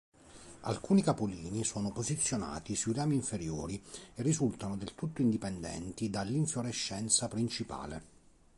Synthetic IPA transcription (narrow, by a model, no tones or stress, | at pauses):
a̰lkuːnikapoliːnisɔːnopozit̪sːjona̰ːt̪isuiraːmiːɱfeɾjoːɾierːizult̪anod̪elt̪ut̪ːoind̪ipɛnd̪ɛ̰nt̪id̪alːiɱfloɾeʃːɛnt̪sapɾint͡ʃipa̰ːlḛ